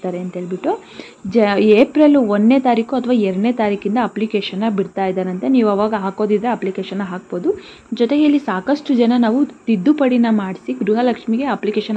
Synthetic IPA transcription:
t̪aːɾeɐnt̪ɦeːɭibiʈːu | d͡ʒeːpɾeluonːeːt̪aːɾiːkuɐt̪ʰɐʋaːɛɾɐɽneːt̪aːɾiːkind̪ɐɐplikeːʃɐnːɐbiɽt̪aːjd̪aːɾɐnt̪eniːʋuɐʋaːɡɐɦaːko̞ːd̪id̪ɾeɐplikeːʃɐnːɐɦaːk̚bo̞ːd̪u | d͡ʒot̪eɡeːlisaːkɐʂʈud͡ʒɐnɐnaːʋut̪id̪ːupɐɽinɐmaːɽisiɡɾuɦɐlɐkʂmiɡe̞ɐplikeːʃɐn

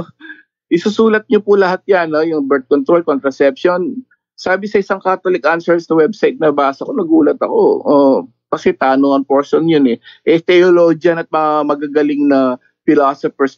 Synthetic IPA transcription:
ʔɪsusuːlɐt̪̚ɲopʊlɐhat̪̚janːojʊŋbɛɹt̪̚kont̪ɾolkont̪ɾɐsɛpʃon | saːbɪsɐʔɪsaŋkaːt̪olɪkʔansɛɹsnɐwɛbsajt̪̚nɐbaːsɐkonɐɡuːlɐt̪ɐko̰ʔo | kɐsɛt̪aːnoŋɐŋpoɹʃonjonɛʔɛt̪ɛolod͡ʒjɐnɐt̪̚mɐŋamɐɡaɡɐlɪŋnɐ | fɪlaːsofɛs

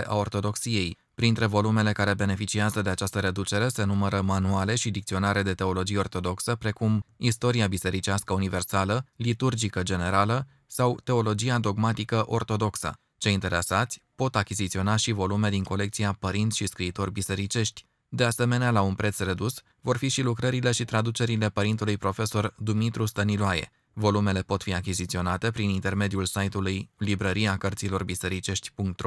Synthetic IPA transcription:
ʔa̰o̞rt̪o̞d̪o̞ksije̞j | pɾint̪ɾe̞vo̞lume̞le̞kaɾe̞be̞ne̞fit͡ʃiazəd̪e̞at͡ʃast̪əɾe̞d̪ut͡ʃe̞ɾe̞se̞numəɾəmanuale̞ʃid̪ikt̪sio̞naɾe̞d̪e̞t̪e̞o̞lo̞d͡ʒijeo̞rt̪o̞d̪o̞ksəpɾe̞kumist̪o̞ɾiabise̞ɾit͡ʃiaskəunive̞rsaləlit̪urd͡ʒikəd͡ʒe̞ne̞ɾalə | sawt̪e̞o̞lo̞d͡ʒiad̪o̞ɡmat̪ikəʔo̞rt̪o̞d̪o̞ksə̰ | t͡ʃe̞jint̪e̞ɾesat̪sʲpo̞t̪akʲizit̪sio̞naʃivo̞lume̞d̪iŋko̞le̞k̚t̪siapəɾint̪ʃiskɾiːt̪o̞rʲbise̞ɾit͡ʃe̞ʃt̪ʲ | d̪e̞ase̞me̞nealaunpɾe̞t̪sre̞d̪us | vo̞rfiʃilukɾəɾile̞ʃit̪ɾad̪ut͡ʃe̞ɾile̞pəɾint̪ulujpɾo̞fe̞so̞rd̪umit̪ɾust̪əniloaje̞̰ | vo̞lume̞le̞po̞t̪fiakʲizit̪sio̞nat̪e̞pɾinint̪e̞rme̞d̪iulsajt̪ulujlibɾəɾiakərt̪silo̞rbise̞ɾit͡ʃe̞ʃt̪ʲpuŋk̚t̪ɾo

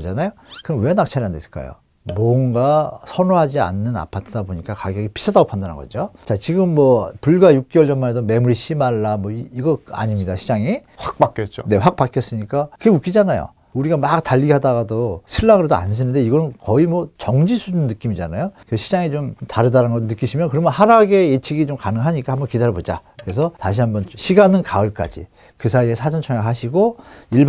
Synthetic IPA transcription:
d͡ʑanajokɯnʌnwe̞nak̚t͡ɕʰaɾiɦandesk͈a̰jo̰ | mwʌŋɡasʰʌnoɦad͡ʑia̰nːɯna̰pʰatʰɯd̥aboɲik͈akaɡjʌɡipi̥sʰadaɡopʰandanɯ̰nŋɡʌ̰d͡ʑot͡ɕat͡ɕiɡɯmːʌpuɭɡwajuk̚k͈iwʌɭd͡ʑʌnmanedome̞muɾiɕʰimaɭːamwʌiiɡʌa̰ɲimɲidaɕʰid͡ʑaŋi | ɸak̚pak͈jʌt̚t͡ɕ͈one̞ɸwak̚pak͈jʌs͈ɯɲik͈akɯɡeuk͈id͡ʑanajo̰ | uɾiɡamak̚taʎːiɡeɦadaɡadosʰɯɭːaŋɯɾedoa̰ns̬ʰɯnɯnde̞iɡʌnɯnkʌimwʌt͡ɕʌŋd͡ʑisʰud͡ʑunnːɯk͈imid͡ʑa̰na̰jokɯɾesʰɕʰid͡ʑaŋit͡ɕomtaɾɯdaɾanɡʌtːnɯk͈iɕʰimjʌnkɯɾʌmjʌnɦaɾaɡe̞jet͡ɕʰiɡit͡ɕomkanɯŋɦaɲik͈ahambʌnkidaɾʌbod͡ʑa̰kɯɾe̞sʰʌtaɕʰiɦambʌnɕʰiɡanɯnkaɯɭk͈a̰d͡ʑḭ | kɯsʰaiesʰad͡ʑʌnt͡ɕʰʌŋjakɦaɕ̬ʰiɡoiɭb

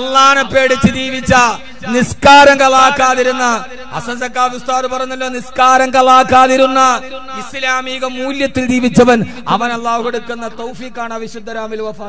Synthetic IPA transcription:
ɐlːaːɳɐpːe̞ːɽit͡ɕːidiːʋit͡ɕːɐ | niskaːɾɐŋɡɐɭaːkːaːðiɾunːɐ | ɐ̰sɐsɐkːaːʋjust̪aːɾɨpɐrɐjuɲnːɐlːo̞ːniskaːɾɐŋɡɐɭaːkːaːðiɾunːɐ | islaːmiːɣɐmuːljɐt̪ːild͡ʑiːʋit͡ɕːɐʋɐn | ɐ̰ʋɐnɐlːaːhuɣeɽukːunːɐt̪ɐwfiːkːaːɳɐʋiɕud̪ʱːɐɾaːmilʋɐfaː

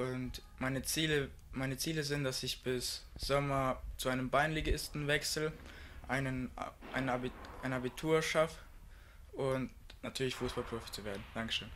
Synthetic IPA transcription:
ʔʊnt | maɪnət͡siːlə | maɪnət͡siːləzɪntd̥asɪçb̥ɪsz̥ɔmɐt͡suʔaɪnəmbaɪnleɡɪstn̩vɛksl̩ʔaɪnəʔa̰ɪnəbiʔaɪnəabitʰuːɐʃafə | ʔʊntnatʰyːɐlɪçfuːsb̥alpʁ̥ofi̥t͡suveːɐdn̩d̥aŋkəʃøːn

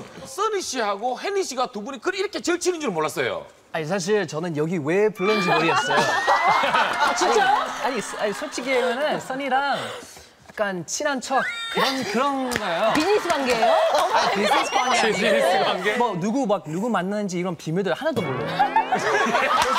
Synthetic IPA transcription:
s͈ɯniɕ͈ihaɡoheniɕ͈iɡatubunikɯɾiɾʌkʰe̞t͡ɕɯɭt͡ɕʰinɯnd͡ʑiɾomoɭːas͈ʌjo̰ | aɲis̬ʰaɕ̬ʰiɭt͡ɕʌnɯnjʌɡiwe̞puɭːʌnd͡ʑiʌɾiʌs͈ʌjo | t͡ɕit͡ɕ͈aaɲisaɲisʰot͡ɕʰiɡieɡʌnɯns͈ʌɲiɾaŋ | jak͈ant͡ɕʰinant͡ɕʰʌkɯɾʌnkɯɾʌnɡʌjopiɲisʰɯbaŋɡejoaisʰisʰɯ̥paɲiiisʰaŋɡemʌnuɡumak̚nuɡumanːɯnd͡ʑiːɾʌnpimjuɭdɯɭhanadomoɭːʌ

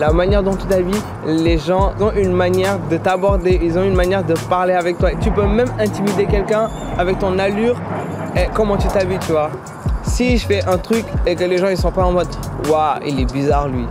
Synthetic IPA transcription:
lamanjɛʁd̪ɔ̃t̪yt̪avi | leʒɑ̃zɔ̃ʔynmanjɛʁd̪ət̪abɔʁd̪eilzɔ̃ynmanjɛʁd̪əpaʁleavɛk̚t̪waet̪ypømɛmɛ̃t̪imid̪ekʲɛlkʲɛ̃ | avɛk̚t̪ɔ̃nalyʁ | ekɔmɑ̃t̪yt̪avit̪yvwa | siʒəfɛʔɛ̃t̪χykekəleʒɑ̃ilsɔ̃paɑ̃mɔd̪waḭlɛbizaʁlɥi

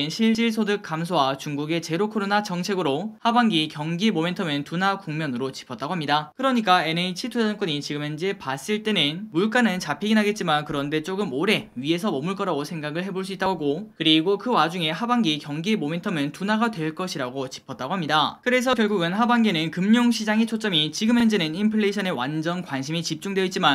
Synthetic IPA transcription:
nɕʰiɭt͡ɕ͈iɭs̬ʰodɯk͈amsʰowat͡ɕuŋɡuɡe̞t͡ɕe̞ɾokʰoɾonat͡ɕʌŋt͡ɕʰe̞ɡɯɾohabaŋɡikjʌŋɡimome̞ntʰʌmɯntunakuŋmjʌnɯɾot͡ɕi̥pʰʌt͈aɡoɦamɲidakɯɾʌɲik͈ae̞neit͡ɕʰitʰud͡ʑʌnk͈ʌɲit͡ɕiɡɯmend͡ʑepas͈ɯɭt͈e̞nɯnmuɭk͈anɯnt͡ɕapʰiɡinɦaɡe̞t̚t͡ɕ͈imankɯɾʌnde̞t͡ɕ͈oɡɯmoɾe̞ɥie̞sʰʌmʌmuɭk͈ʌɾaosʰe̞ŋɡaɡɯɭɦe̞boɭs͈uit͈aɡokɯɾiɡokɯwad͡ʑuŋe̞habaŋɡikjʌŋɡemome̞ntʰʌmɯntunaɡadwe̞ɭk͈ʌɕʰiɾaɡot͡ɕi̥pʰʌt̚t͈aɡoɦamɲidakɯɾe̞s̬ʰʌkjʌɭɡuɡɯnɦabaŋɡenɯnkɯmɲoŋɕʰid͡ʑaŋet͡ɕʰot͡ɕ͈ʌmit͡ɕiɡɯmɦend͡ʑenɯnimpʰɯɭːeɕʰʌne̞wand͡ʑʌnkwanɕʰimit͡ɕip̚t͡ɕ͈uŋdweit̚t͡ɕ͈iman

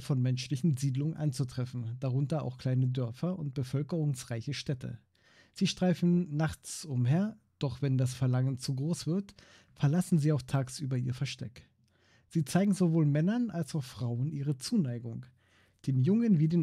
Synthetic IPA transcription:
fɔnmɛnʃlɪçn̩ziːdlʊŋənʔa̰nt͡sutʁ̥ɛfn̩d̥aʁʊntɐa̰ʊxkl̥aɪnədœɐfɐʔʊnt̚b̥əfœlkəʁʊŋsʁaɪçəʃtɛtʰə̰ | z̥iːʃtʁ̥aɪfn̩naχt͡sʊmɦeːɐ | d̥ɔχv̥ɛndasfɛɐlaŋənt͡suɡʁoːsv̥ɪɐt | fɛɐlasn̩ziːaʊxtʰaːksʔyːbɐiːɐfɛɐʃtɛk | z̥iːt͡saɪɡŋ̩zovoːlmɛnɐnalsaʊxfʁ̥aʊənʔiːʁ̞ət͡suːnaɪɡʊŋ | d̥eːmjʊŋənviːdeːn

